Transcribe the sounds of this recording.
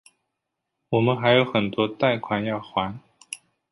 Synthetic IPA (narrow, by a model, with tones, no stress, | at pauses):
wɔ˨˩mə˦nxa˧˥ɪjo˧˥ʊxə˨˩nt̪wɔ˥t̪a˥˩ɪkʰwa˧˥njɑ˥˩ʊxwa˧˥n